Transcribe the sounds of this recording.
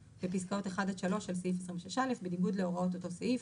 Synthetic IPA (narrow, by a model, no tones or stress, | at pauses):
b̥episkao̞teχadaʃalo̞ʃelseifesʁimveʃeʃalefbeniɡudleo̞ʁao̞toto̞seif